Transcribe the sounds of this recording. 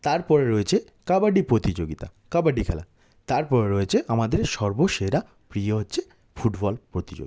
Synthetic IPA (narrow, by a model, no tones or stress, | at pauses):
t̪aɾpɔɾeɾoet͡ɕʰe | kabaɖipɾot̪id͡ʑoɡit̪a̰kabaɖikʰɛla̰ | t̪aɾpɔɾeɾoet͡ɕʰeʔamad̪eɾʃɔɾboʃeɾa | pɾijoɦotːɕʰe | fuʈbɔlpɾot̪id͡ʑo̰ɡi